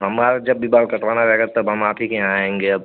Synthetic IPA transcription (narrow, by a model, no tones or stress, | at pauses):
ɦɐmaːɾd͡ʒɐbːibaːlkɐʈʋaːnaɾɛɦɡat̪ɐbɦɐmaːpikeaẽːŋɡeɐb̚